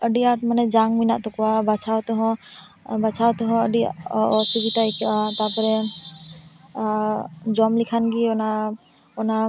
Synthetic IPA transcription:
əɖiaʈ̚manɛd͡ʒaŋminaʔt̪ɔkɔwabat͡ʃʰawt̪ɔɦɔ̃ | bat͡ʃʰawt̪ɔɦɔ̃əɖiɔsibit̪ajkʰat̪apɔɾɛ | d͡ʒɔmlikʰanɡiɔna | ɔna

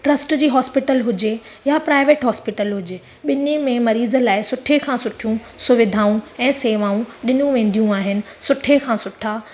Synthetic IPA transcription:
ʈɾɐsʈd͡ʑiːɦɔːspɪʈəlɦʊd͡ʑe | japɾaːɪʋeːʈɦɔːspɪʈəlɦʊd͡ʑeː | ɓɪnemẽmɐɾiːzə̆laːɪsʊʈʰekʰãːsʊʈʰijũ | sʊʋɪd̪ʱaːũɛ̃ːseːʋaːũɗɪnũʋẽːn̆d̪ijũaːɦɪnɪ̆ | sʊʈʰekʰãːsʊʈʰaː

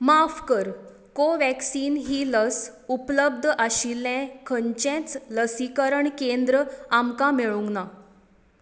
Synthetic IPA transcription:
mafkəɾ | koʋæksiːnɦiːləsupləb̚d̪ʱʔaɕilːɛ̃kʰəɲt͡ɕɛ̃t͡sləsikəɾəɳkend̪ɾəamkameɭũŋɡna

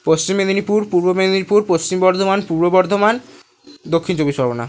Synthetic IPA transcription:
post͡ɕimːed̪inipuɾpuɾbomed̪inipuɾpost͡ɕimbɔɾd̪ʱomanpuɾbobɔɾd̪ʱoman | d̪okʰːint͡ʃobiʃɔɾɡona

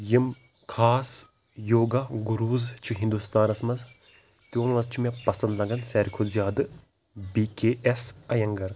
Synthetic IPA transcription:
jim | kʰaːs | joːɡaɡuɾuːzt͡ʃʰuɦĩnd̪ust̪aːnɐsmɐz | t̪joːnmɐzt͡ʃʰumepɐsɐ̃nd̪lɐɡɐnsɛːɾkʰoːzʲjaːd̪ɨ | biːkeːʔesɐjɐŋɡɐɾ

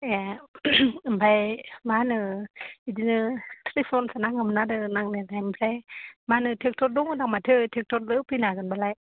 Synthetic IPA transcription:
a | mpʰajmanɯidinɯtʰelifʰɔnsanaŋamnadɯnaŋnenajmpʰlajmanɯtʰek̚tʰot̚duŋdaŋmatʰɯtʰek̚tʰot̚lɯpʰinakɯnbalaj

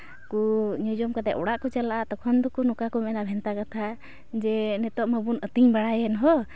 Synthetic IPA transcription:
kuɲɔd͡ʒɔmkad̪ɛʔɔɽaʔkɔt͡ʃalaʔaʔt̪ɔkʰɔnd̪ɔkunɔkakɔmɛnabʱɛnt̪akat̪ʰa | d͡ʒɛnɛt̪ɔʔməbunət̪iɲbaɽajɛnɦɔ

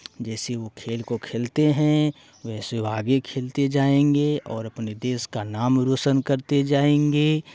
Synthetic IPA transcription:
d͡ʒɛːseʋokʰeːlkokʰeːlt̪eɦɛ̃ | ʋɛːseaːɡekʰeːlt̪ed͡ʒaːẽːŋɡeɔːɾɐpned̪eːskanaːmɾoːsənkɐɾt̪ed͡ʒaːẽːŋɡeː

